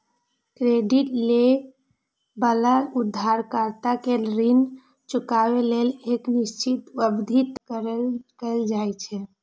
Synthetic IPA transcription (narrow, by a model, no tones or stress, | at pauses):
kɾeɖiʈle | bəlaud̪ʱːaɾkəɾt̪akeɾin | t͡ʃukabeleleknist͡ʃit̪bəbd̪ʱit̪kəɾəlkəld͡ʒajt͡ʃʰɛ